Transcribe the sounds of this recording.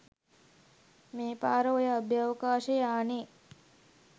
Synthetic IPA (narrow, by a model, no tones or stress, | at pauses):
meːpaːɾəojəɐbjaːʋəkaːʃejaːne